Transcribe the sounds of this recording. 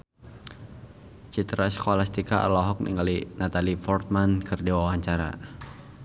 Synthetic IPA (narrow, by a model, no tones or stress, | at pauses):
t͡ʃit̪ɾaskɔlast̪ikaa̰lɔɦɔk̚nḭŋɡalinat̪alifɔrt̪̚mankʰɨrdiwawaɲt͡ʃaɾa̰